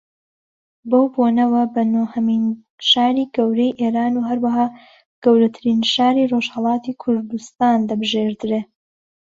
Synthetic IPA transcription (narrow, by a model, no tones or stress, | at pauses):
bɐwbonɐwɐbɐnohɐmin | ʃaːɾiːɡɐwɾejʔeːɾaːnuɦɐɾwɐɦaː | ɡ̥ɐwɾɐt̪ʰɨɾiːnʃaːɾiːroʒhɐlˠɑːt̪iːkʰʊɾd̪ust̪aːnd̪ɐbɨʒeːɾd̪ɨɾe